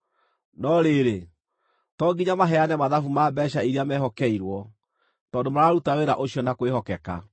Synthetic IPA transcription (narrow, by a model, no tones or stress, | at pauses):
nɔɾeɾe | tɔɡiɲamaɦɛanɛmaðafumaːbɛʃaiɾiamɛɦɔkɛiɾwɔ | tɔːndomaɾaɾutaweɾaʔoɕiɔnakoehɔkɛka̰